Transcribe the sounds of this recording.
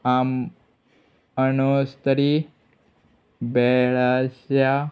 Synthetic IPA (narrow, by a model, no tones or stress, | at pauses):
aːm | ənost̪əɾi | bɛɭasja